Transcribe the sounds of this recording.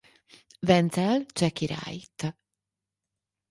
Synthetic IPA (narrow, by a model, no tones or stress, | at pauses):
vɛnt͡s̪ɛlt͡ʃɛkːiɾa̰jt̪